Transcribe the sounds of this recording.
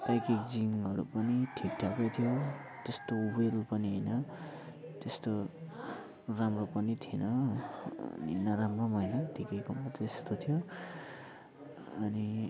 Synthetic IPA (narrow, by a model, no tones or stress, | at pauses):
pajkikd͡ziŋɦʌɾṵpʌniʈʰikʈʰakot̪ʰijo | t̪est̪owelpʌniɦʌjnʌ | t̪est̪o | ramropʌnit̪ʰienʌʌ̰nḭnʌɾamrʌmɦʌjnʌt̪ʰikʌjkʌmʌt̪est̪ot̪ʰijo | ʌni